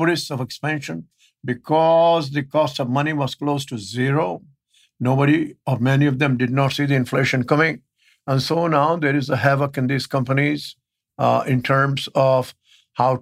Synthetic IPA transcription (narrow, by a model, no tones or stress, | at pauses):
ɾisɔvekspæ̃nʃə̃n | bɪkʰɔzd̪ɨkɔsʈɔʋmʌniʋɔz̥kloːzʈuziɾo | noːbəɾiɔɾmɛniɔvd̪ɛ̃mɖɪd̚nɔʈsiːd̪iɪ̃nfleːʃə̃nkʌmɪ̃ŋ | ə̃nsonaʊd̪eɾɪzəɦæʋəkɪ̃nd̪iːz̥kʌ̃mpəniz | ɪ̃nʈʰəɾmzɔf | haʊ